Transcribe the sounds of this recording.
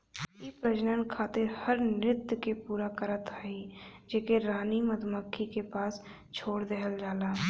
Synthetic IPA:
ipɾəd͡ʒnənkʰaːt̪ɪɾhəɾnɾɪt̪jkepuːɾakəɾət̪aːɦid͡ʒeːkeɾaːniməd̪məkʰːikepaːs | t͡ʃʰoːɽd̪eːɦəld͡ʒaːlaː

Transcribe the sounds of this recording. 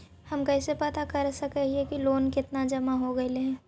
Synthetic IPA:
hɐmkɛːsepɐt̪akɐɾsɐkəɦiekiloːnkɪt̪nad͡ʒɐmaɦoɡɐeleɛ̃ː

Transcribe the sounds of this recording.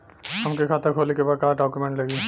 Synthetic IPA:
amkekʰat̪akʰolikebakaɖɔkumeɳʈləɡi

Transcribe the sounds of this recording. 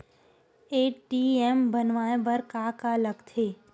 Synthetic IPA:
eːʈʈiembənʋaːẽbəɾkaːkaləɡt̪ʰeː

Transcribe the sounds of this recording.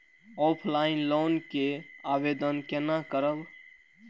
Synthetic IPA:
ɔpʰlainlonkeabed̪ənkenakəɾəb

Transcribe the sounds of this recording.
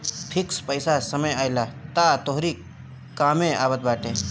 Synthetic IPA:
pʰikspəɪsasəməjaːɪlat̪at̪oɦɾi | kaːmẽʔa̰ːbət̪̚baːʈe

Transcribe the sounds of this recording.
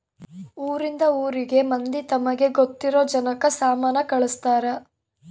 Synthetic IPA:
uːɾind̪ɐuːɾiɡe̞mɐnd̪it̪ɐmɐɡe̞ɡot̪ːiɾoːd͡ʒɐnɐkɐsaːmaːnɐkɐɭust̪aːɾe

